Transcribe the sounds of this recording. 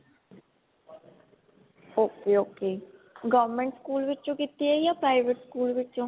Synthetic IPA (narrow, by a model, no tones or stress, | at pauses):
oːkeːoːkeːɡɔːʋmẽɳʈskuːlʋɪt͡ʃːt͡ʃõːkit̪iɛjaːpɾaːɪʋeʈskuːlʋɪt͡ʃːt͡ʃõː